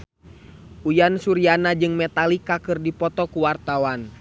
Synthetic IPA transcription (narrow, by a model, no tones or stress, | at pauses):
ʔujansuɾianad͡ʒɨŋmɛt̪alikakɨrdipɔt̪ɔkuwart̪awan